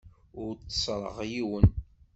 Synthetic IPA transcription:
ʊɾt͡sːsˤɾˤə̰ʁjiwən

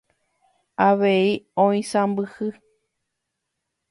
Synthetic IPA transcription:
aʋeiõĩsãmbɨhɨ

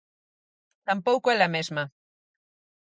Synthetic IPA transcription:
t̪ampowkoelamezma

